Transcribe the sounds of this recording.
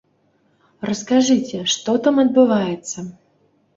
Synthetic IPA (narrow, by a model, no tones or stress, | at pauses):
rəskaʐɨt͡sʲɛʂt̪ɔt̪amɐd̪̚bɨvajɛt̪sːɐ